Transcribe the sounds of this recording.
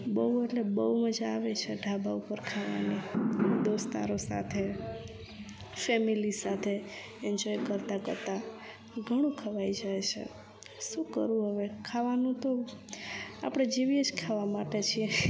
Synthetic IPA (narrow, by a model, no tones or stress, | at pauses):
bəɦueʈlebəuməd͡ʒaːʋet͡ʃʰeɖʱabaupəɾkʰaʋa̰nid̪ost̪a̰ɾosa̰t̪ʰe | fɛmilisat̪ʰe | ɛɲd͡ʒɔjkəɾt̪akə̰ɾt̪a | ɡʱəɽ̃ũkʰəʋajd͡ʒajt͡ʃʰḛ | ʃũkə̰ɾũɦəʋekʰaʋanũt̪o | a̰pɽ̃ed͡ʒeʋied͡ʒkʰaʋamaʈet͡ʃʰie